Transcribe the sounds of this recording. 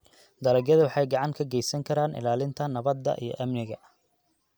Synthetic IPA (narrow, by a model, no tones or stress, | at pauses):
d̪ɐlɐɡjɐðɐwɑħɑjɡɑʕɑŋkʰɐɡɛjsɐŋkʰɐɾaːnʔɪ̰laːlɪnt̪ʰɐnɐβɐd̪ːɐ̰ʔḭjɞ̰ʔɐmnɪɣɐ̰